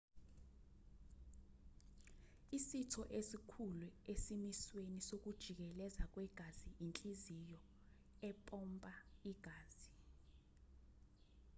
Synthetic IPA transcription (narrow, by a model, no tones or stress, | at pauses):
isitʰɔʔesikʰuluesimiswenisok̬ud̥ʒ̥ʱik̬ɛlɛzak̬ʼwɛɡ̥ʱaziʔint͡ɬʼizijɔ | ɛpʼɔmpʼaiɡ̥ʱaːz̥i